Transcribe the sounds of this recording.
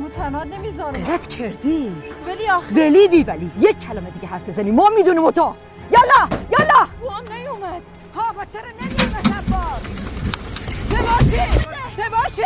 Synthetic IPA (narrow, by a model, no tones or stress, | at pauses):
mut̪ʰænɑːnemizɒːɾɾæt̪kʰeɾd̪ivæliveliːbiːvæliːjec̚ʲʰcʰːælæmed̪iːɡeɦæɾfbezænimɒːmiːd̪unimot̪ʰɑː | jɒlɑjɑlɑuæmnæjumæd̪̥ | hɒːbæt̪t͡ʃʰːeɾɔnemimæʃæd̪bɒːz | sebɑːʃesebɑːʃe